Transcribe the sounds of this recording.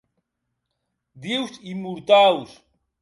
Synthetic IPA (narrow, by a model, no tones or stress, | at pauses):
d̪iwsimuɾt̪aws